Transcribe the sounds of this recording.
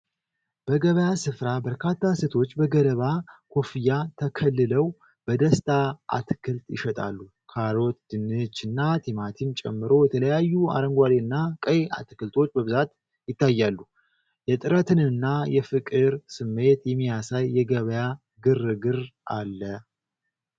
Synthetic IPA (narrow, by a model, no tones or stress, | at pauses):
b̥əɡəβəjasɨfɾabəɾkʰat̪ʰːase̞t̪ʰo̞t͡ʃːbəɡələβakʰo̞fijat̪ʰəkʰəlːɨləw | b̥əd̪əst̪ʼʰaʔa̰t̪ʰɨkʰɨlt̪ʼjɪʃɛt̪ʼa̰lːu | kʰaɾo̞t̪d̪̥ɨnːɨt͡ʃːɨnːat̪ʰemat̪ʰimt͡ʃʼɛ̰mːɨɾo̞jɛt̪ʰələjajːua̰ɾəŋɡʷaleɨnːakʼəja̰t̪ɨkɨlt̪ʰo̞t͡ʃːbəβɨzat̪ | jɪt̪ːajːalːu | jɛt̪ʼɨɾət̪ʰɨnɨnːajɛfɨkʼɨɾsɨmːe̞t̪jɛmːijasajːɛɡəβəja | ɡɨrɨɡɨɾʔalːə